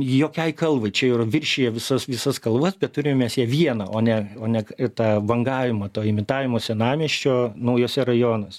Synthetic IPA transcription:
joːkʲɛɪkɐlˠʋɐɪt͡ʃʲɛiːrɐʋʲɪrʲʃʲiːjɛʋʲɪsɐsʋʲɪsɐskɐlˠʋɐsbʲɛt̪̚t̪ʊɾʲɪmʲɛmʲɛsjɛʋʲiɛnɐʔoːnʲɛoːnʲɛt̪ɑːʋɐŋɡɑːʋʲɪmɐt̪oːɪmʲɪt̪ɑːʋʲɪmoːsʲɛnɑːmʲiɛʃʲt͡ʃʲoːnɐʊjoːsʲɛrɐjoːnɐsʲɛ

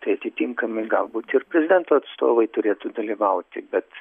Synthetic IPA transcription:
t̪ɐɪɐt̪ʲɪt̪ʲiŋkɐmʲɪɡɐ̰lˠbuːt̪ʲɪrpʲɾʲɛzʲɪd̪ʲɛnt̪oːɐt̪st̪o̰ːʋɐɪt̪ʊɾʲeːt̪ud̪ɐlʲiʋɐʊt̪ʲɪbʲɛt̪

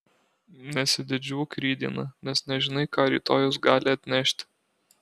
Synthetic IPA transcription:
nʲɛsʲɪd̪ʲɪd͡ʒʲuːkɾʲiːd̪ʲḭːnɐnʲɛsnʲɛʒʲɪnɐɪkɑːɾʲḭːt̪oːjʊs̬ɡɑːlʲɪɐt̪ʲnʲɛʃʲt̪ʲ

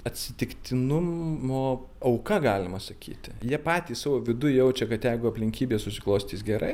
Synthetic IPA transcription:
ɐt̪ʲsʲɪt̪ʲɪkt̪ʲɪnʊmoː | ɐʊkɐɡɑːlʲɪmɐsɐkʲḭːt̪ʲɪjiɛpɑːt̪ʲiːsɑːʋoːʋʲɪd̪ʊjɛʊt͡ʃʲɛkɐt̪jɛɪɡʊɐpʲlʲɪŋʲkʲiːbʲeːsʊsʲɪklˠoːsʲt̪ʲiːsɡʲɛɾɐ̰ɪ

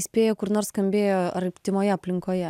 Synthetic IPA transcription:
sʲpʲeːjoːkʊɾnoːsskɐmʲbʲeːjoːɐrpʲt̪ʲɪmoːjɛɐpʲlʲɪŋkoːjɛ

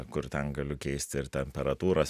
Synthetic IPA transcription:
kʊɾt̪ʲɛnɡɐlʲʊkʲɛɪsʲt̪ʲɪɾt̪ʲɛmʲpʲɛɾɐt̪uːɾɐs

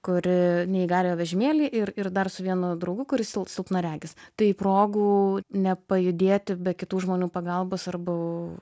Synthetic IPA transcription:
kʊɾʲɪnʲɛɪɡɑːlʲejoːʋʲɛʒʲɪmʲeːlʲiːʔɪrɪrd̪ɐrsʊʋʲiɛnʊd̪ɾɐʊɡʊkʊɾʲɪsʲɪlˠpsʲɪlˠpnɐɾʲæːɡʲɪst̪ɐɪipɾoːɡuːnʲɛpɐjʊd̪ʲeːt̪ʲɪbʲɛtkʲɪt̪uːʒmoːnʲuːpɐɡɐlˠboːsɐrbɐ

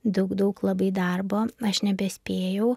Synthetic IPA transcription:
d̪ɐʊkd̪ɐʊklˠɐbɐɪd̪ɐɾboːɐʃnʲɛbʲɛsʲpʲeːjɛʊ

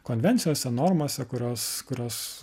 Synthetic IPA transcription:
koːnʲʋʲɛnʲt̪sʲɪjoːsʲɛnoːɾmoːsʲɛkʊɾʲoːskʊɾʲoːs

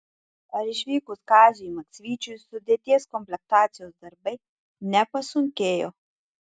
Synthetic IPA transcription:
ɐɾiʃʋiːkuskaːziimaksʋiːt͡ʃusud̪ʲet̪ʲeːskɔmplʲɛk̚t̪aːt̪sijɔzd̪ɐɾbɛj | nɛpasuŋkeːjɔ̰

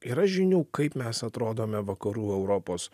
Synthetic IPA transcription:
ɪɾɐʃʒʲɪnʲuːkɐɪpmʲɛsɐt̪ɾoːd̪oːmʲɛʋɐkɐɾuːɛʊɾɔpoːs

